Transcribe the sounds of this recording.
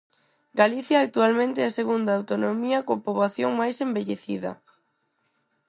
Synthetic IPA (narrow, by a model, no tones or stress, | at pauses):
ɡaliθjaːk̚t̪ualmẽnt̪eɛaseɣund̪aawt̪onomiɐkopoβaθjoŋmajsembeʎeθḭðɐ̰